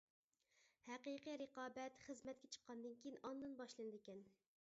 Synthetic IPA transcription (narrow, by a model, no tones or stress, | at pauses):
hæqiqiɾəqɑːbɛt̪χəzmɛt̪̚kʲɛt͡ʃʰə̥qʰːɑnd̪ɨnkʲijinɑnd̪ɨnbɑʃlˠɨnɨd̪ɪkʲɛn